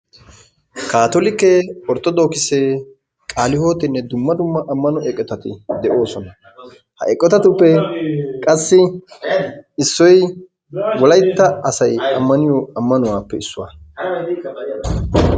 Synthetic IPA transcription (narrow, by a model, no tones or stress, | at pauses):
kaːt̪olɪkːɛɔɾt̪ːɔd̪o̞ːkɪseː | kʼaːlɪho̞ːt̪ɪnːɛd̪ʊmːɐd̪ʊmːɐʔɐmːɐnɔʔɛkʼːɛt̪ɐt̪ɪd̪ɛʔo̞ːsɔnɐ | hɐ̰ʔɛkʼːɛt̪ɐt̪ʊpːɛkʼɐsːɪ | ɪsːɔj | wɔlɐjt̪ːɐɐsɐjɐmːɐnɪjɔɐmːɐnʊwaːpːɛɪsːʊwa̰ː